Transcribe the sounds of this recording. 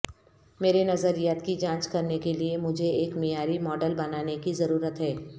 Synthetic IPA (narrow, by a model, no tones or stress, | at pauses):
meːɾenɐzəɾijaːt̪kid͡ʒãːt͡ʃkɐɾnekeliemʊd͡ʒʱeeːkmijaːɾimɔːɖəlbɐnaːnekizɐɾuːɾət̪ɦɛː